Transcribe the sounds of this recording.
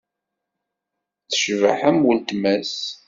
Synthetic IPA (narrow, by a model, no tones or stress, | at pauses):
t͡sːə̥ʃvə̰ħəmwəlt̪mæs